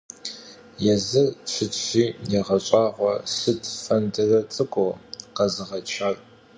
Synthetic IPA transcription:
jɛzɨrʃʰɪtɕiːneːʁɐɕʼɑːʁʷɔsɨtʰfɐndɨrɐt͡sʼɨkʷʼoqɐzɨʁɐt͡ʃʰaːrʼ

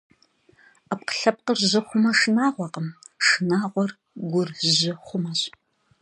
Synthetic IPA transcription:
ɐp̚qə̥ɬɐp̚qərʑɪχʷʊmɐʂɨnaːʁʷɔqəmʂɨnaːʁʷɔr | ɡʷʊrʑɪχʷʊmɐɕʼ

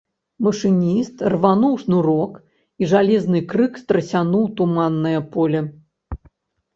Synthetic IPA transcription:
mɐʂɨnʲist̪rvanuwʂnuɾɔk | iʐalʲɛznɨkɾɨkst̪ɾɐsʲanuwt̪umanːɐjɐpɔlʲɛ

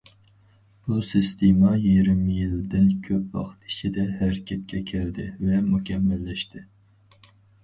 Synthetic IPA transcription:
b̥usɨst̪ʰemɑjiɾɪmɪjild̪ɪnkʲʰøpwɑ̰χt̪ʰi̥t͡ʃʰid̪ɛhæɾɪkʲʰɛt̪̚kʲʰɛkʲʰɛld̪ɪvɛmukʲʰɛmːɛlːɛʃt̪ʰɪ

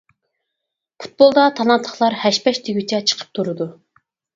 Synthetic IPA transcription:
pʰu̥t̪̚bolˠd̪ɑt̪ʰɑlˠɑnt̪ʰlˠəχlˠɑɾhɛʃpɛʃt̪ʰiɡʲyt͡ʃʰɛt͡ʃʰə̥qʰə̥p̚t̪ʰuɾɨd̪u

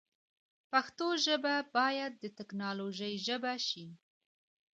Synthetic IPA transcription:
paxt̪oʒəbabɑjad̪̚ːət̪ɪknɑloʒəjʒəbaʃi

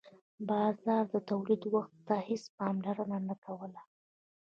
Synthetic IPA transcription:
bɑzɑɾd̪ət̪awlid̪waxt̪ːɑhɪspɑmlaɾənanakʰawəla

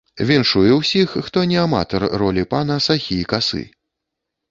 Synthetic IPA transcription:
vʲɛnʂujɛwsʲixːt̪ɔnʲɛama̰t̪ɔrːɔlʲipanɐsaxʲikasɨ̰

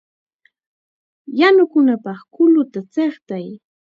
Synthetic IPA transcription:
janʊkʊnapɑχkʊlʊt̪at͡seχt̪aj

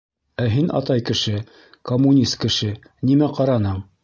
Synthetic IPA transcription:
æɦinʔɑ̰t̪ɑjkɘ̆ʃɘ | komːunʲist̪̚kɘ̆ʃɘ | nimæqɑɾɑnɤɴ

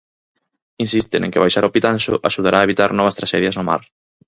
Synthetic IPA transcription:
insist̪enḛŋkɪβajʃaɾopit̪anʃʊ̰ʔaʃuð̞aɾʔaːeβit̪aɾnɔβ̞ɐst̪ɾaʃɛðjɐznʊma̰ɾ

